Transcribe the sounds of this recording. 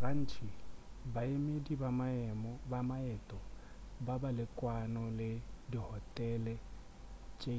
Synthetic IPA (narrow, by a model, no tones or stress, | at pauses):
ran̩ːt͡ʃʰibaemedibamaɛmɔbamaɛtʼɔbabalɪkʼwanɔlɪdihɔtʼɛlɛ | t͡ʃʼe